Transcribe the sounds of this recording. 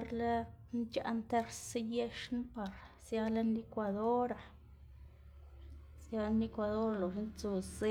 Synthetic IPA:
ɾla˦ | nt͡ʃa̰˧ʔnt̪e˦ɾse˦je˦ʃn˦pa˨ɾ | sja˧la˦ne˦kʷa˨d̪o˦ɾa˨ | sja˧˦ni˦kʷa˧d̪o˦ɾlo˨ʂe˦nt͡su˧ze˦

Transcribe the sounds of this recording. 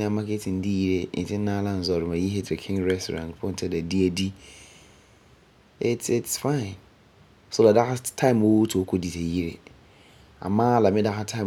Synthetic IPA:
nɪ̃˦˨a˨˦ma˦kʰe˦tʰɪ̃˨n̩˦di˦ji˦ɾe˦n̩˨tʰɪ̃˦n̩˦nã˦lã˦n̩˨zɔ˨ɾɪ˨mã˨ji˦ɦe˦tʰɪ˨kʰɪ̃˦ŋɾɛ˦stʰo̰˨ɾã̰˨ntpʰʊ̃˦n̩˨tʰɛ˦da˨di˦æ˨di˦ | ɪ˨tɪ˨tsfã˦ɪ̃˨n | so˦la˨da˦ha˦tʰã˦ɪ̃˨mo˦wtʰu˨o˦kʰo˦di˨tʰe˨ji˦ɾḛ˨ | a̰˨mãː˦la˨mɪ̃˦da˦ha˦tʰã˦ɪ̃˨

